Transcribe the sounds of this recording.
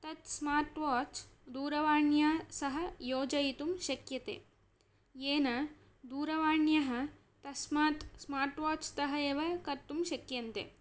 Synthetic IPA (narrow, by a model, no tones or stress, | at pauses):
t̪ɐt̪smaːɾʈʋaːt͡ʃd̪uːɾɐʋaːɳjaːsɐɦɐ̆joːd͡ʒɐjit̪umʃɐkjɐt̪ḛː | eːnɐ | d̪uːɾɐʋaːɳjɐɦɐ̆ | t̪ɐsmaːt̪smaːɾʈʋaːt͡ʃt̪ɐɦɐeːʋɐkɐɾt̪umʃɐkjɐnt̪ḛ